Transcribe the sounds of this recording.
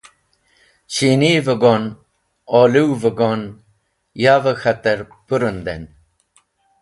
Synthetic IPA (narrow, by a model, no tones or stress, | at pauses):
t͡ɕiniːvəɡon | oːliwvəɡon | jaːvəxɐt̪əɾ | puɾənd̪en